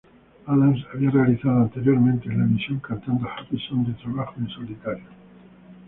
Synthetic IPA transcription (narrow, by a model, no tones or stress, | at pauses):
alansaβiare̞aliθað̞oant̪e̞ɾjo̞ɾmẽnt̪e̞laemisjo̞ŋkant̪and̪ohapisond̪et̪ɾaβaxoensolit̪aɾjo